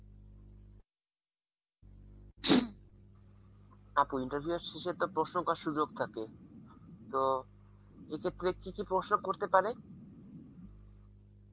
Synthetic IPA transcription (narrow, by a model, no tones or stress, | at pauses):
apuiɳʈaɾbʱiueɾʃeʃet̪opɾoʃnokaʃud͡ʑokt̪ʰake | t̪o | ekʰet̪ːɾekikipɾoʃnokoɾt̪epaɾe